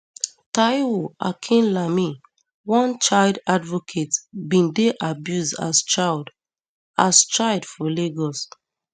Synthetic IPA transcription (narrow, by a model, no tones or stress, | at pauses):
tajwua̰kʰĩnlami | wɔ̃nt͡ʃaɪldadvɔkʰetbĩndeʔabjuzda̰st͡ʃald | ast͡ʃaɪldfɔleɡɔs